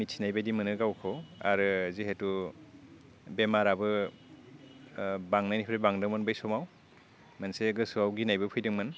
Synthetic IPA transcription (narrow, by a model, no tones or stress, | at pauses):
mitsʰinajbadimɯnɯɡawkʰɔa̰ɾɯziɦetu | bemaɾabɯ | baŋnanipʰɾebaŋdɯmɯnbajsɔmaw | manseɡɯsuawɡinajbɯpʰɯjdɯŋmɯn